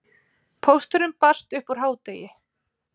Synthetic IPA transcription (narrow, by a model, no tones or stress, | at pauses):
pʰowst̪ʏɾʏmpar̥t̪ʏhpɔɾ̥ɦaːwt̪eːjɪ